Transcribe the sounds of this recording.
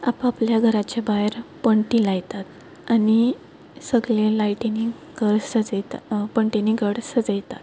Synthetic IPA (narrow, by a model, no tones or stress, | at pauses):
apapljaɡʱəɾat͡ɕabajɾpəɳʈilajt̪at̪ | ani | səɡlẽlaiʈeni | ɡʱəɽsəd͡zt̪apəɳʈeniɡʱəɽsəd͡zajt̪at̪̚